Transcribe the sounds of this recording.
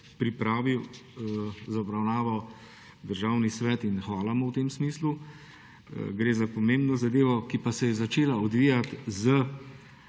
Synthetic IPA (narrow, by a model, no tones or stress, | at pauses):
pɾipɾaːʋiw | zaɔbɾawnaːʋɔ | d̪əɾʒaːwnisʋɛːt̪inxʋaːlamɔwt̪eːmsmiːslu | ɡɾeːzapɔmẽmbnɔzad̪eːʋɔkipasɛjɛzat͡ʃeːlaɔd̪ʋijat̪zə